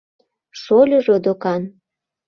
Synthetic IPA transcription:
ʃolʲŏʒod̪okɑn

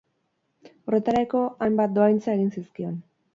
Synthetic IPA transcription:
o̞re̞t̪aɾajko̞ʔajmbat̪̚d̪o̞ajnt͡sae̞ɣinsiskio̞n

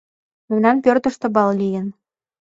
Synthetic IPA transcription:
memnænpørt̪ə̆ʃt̪ɤ̆bɑllijə̆n

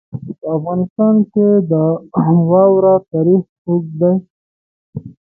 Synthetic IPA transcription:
pəafɣɑnɪst̪ɑnked̪əwɑwɾat̪ɑɾixpukd̪aj

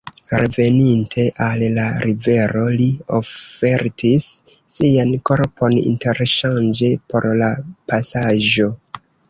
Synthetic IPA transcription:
ɾe̞ve̞nintʰe̞ʔallaɾive̞ɾo̞liofe̞ɾtʰisː | ianko̞ɾpo̞nḭnte̞ɾʃand͡ʒe̞po̞̰ɾlapasaʒo̞

